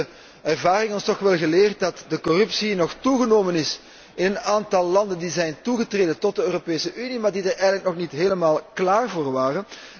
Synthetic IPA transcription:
ɛrvaːɾɪŋɔnstɔxʋɛlˠɣəleːrt̚dɑtdəkɔrɵpsinɔxtuɣənoːmənɪs | ɪnənaːntɑlˠːɑndəndizɛjntuɣətreːdəntɔt̚dəøːropeːsəʔynimaːrdidarɛjɣənlək̚nɔxnitɦeːləmaːlˠklaːrvoːrʋaːrən

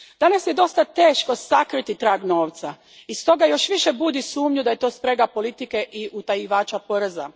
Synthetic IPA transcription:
d̪̥anasje̞d̪o̞st̪at̪e̞ːʃko̞sakɾit̪it̪ɾaːɡno̞ːʋt̪sa | ist̪o̞ɡajo̞ʃʋiʃe̞bud̪isuːmɲud̪aje̞t̪o̞ːspɾe̞ɡapo̞lit̪ike̞ʔiʔut̪ajiʋaːt͡ʃapoɾeza̰

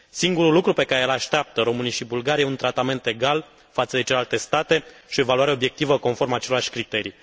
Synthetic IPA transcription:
siŋɡuɾulːukɾupe̞kaɾeelaʃt̪eap̚t̪əɾo̞mɨnijʃibulɡaɾijajeunt̪ɾat̪ame̞nt̪e̞ɡal | fat̪səd̪e̞t͡ʃelealt̪e̞st̪at̪e̞ʃiovaluaɾeo̞bje̞k̚t̪ivəko̞nfo̞rmat͡ʃeleaʃʲkɾit̪e̞ɾi

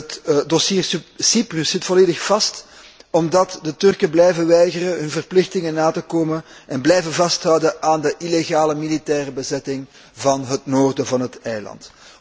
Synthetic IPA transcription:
ətdɔsiːrssiprysz̥ɪtfɔleːdəxfɑst | ɔmdɑtdətʏrkəblɛjvəʋɛjɣərəɦɵnvərplɪxtɪŋənaːtəkoːmənʔɛnblɛjvəvɑstɦʌwdəʔaːndəʔileɣaːləmilitɛːrəbəzɛtɪŋ | vɑnɦətnoːrdəvɑnɦətɛjlɑ̰nt

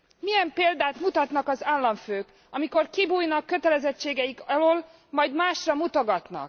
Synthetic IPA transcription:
mijɛmpeːld̪aːt̪mut̪ɒt̪nɒkɒzaːlːɒɱføːk | ɒmiko̞rkibuːjnɒkːø̞t̪ɛlɛzɛt͡ʃːeːɡɛjikɒloːl | mɒjd̪maːʃrɒmut̪o̞ɡɒt̪nɒ̰k

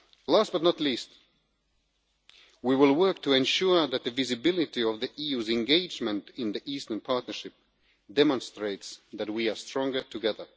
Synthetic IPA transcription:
læst̚b̥ʌtⁿnətˡlist | wiwɪlˠwɜ˞k̚tʰɨɛ̃nʃuɹðɨt̪̚ðɨvɪzɨbɪlˠɪɾiʌvðiʔijʉzɨ̃nɡeɪd͡ʒmɨ̃ntɪ̃nðiʔistə̃npʰɑɹtⁿnə˞ʃɪp̚ | d̥ɛmə̃nstɹeɪtsðæt̚wiə˞stɹ̥ɔ̃ŋɡə˞tʰɨɡɛðə˞

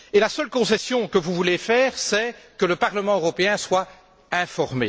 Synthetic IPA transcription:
elasəlkɔ̃sɛsjɔ̃kəvuvulefɛːʁsɛkələpaʁləmɑ̃øʁɔpeɛ̃swa | ɛ̃fɔʁmḛ

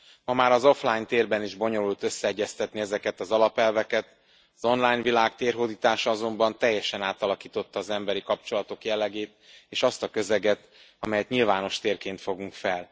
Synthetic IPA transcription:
mɒmaːɾɒzo̞flaːjnt̪eːrbɛniʒbo̞ɲo̞lult̪ø̞sːɛɛɟːɛst̪ɛt̪niɛzɛkɛt̪ɒzɒlɒpɛlvɛkɛt̪ | ɒzo̞nlaːjɲvilaːkt̪eːrɦoːd̪iːt̪aːʃɒɒzo̞mbɒnt̪ɛjːɛʃɛnaːt̪ɒlɒkiːt̪o̞t̪ːɒːzɛmbɛɾikɒp̚t͡ʃo̞lɒt̪o̞kjɛlːɛɡeːt̪eːʃɒst̪ɒkø̞zɛɡɛt̪ | ɒmɛjɛt̪ɲilvaːno̞ʃt̪eːrkeːnt̪fo̞ɡuŋkfɛl

